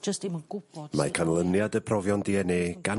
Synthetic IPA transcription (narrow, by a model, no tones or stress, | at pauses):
d͡ʒəstimənɡ̥ʊbɔ̥makʰanlˠənjadəpʰrɔvjɔndiɛneːɡ̥an